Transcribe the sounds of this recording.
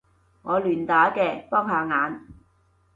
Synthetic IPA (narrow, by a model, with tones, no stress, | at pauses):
ŋɔː˨˧lyː˨˩nt̪aː˨˥kɛː˧pɔː˥ŋhaː˨˧ŋaː˨˧n